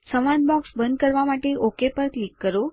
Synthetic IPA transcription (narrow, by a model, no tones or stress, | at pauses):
səʋãn̚bɔksbənd̪̚kəɾʋamaʈeʔokepəɾklikːəɾo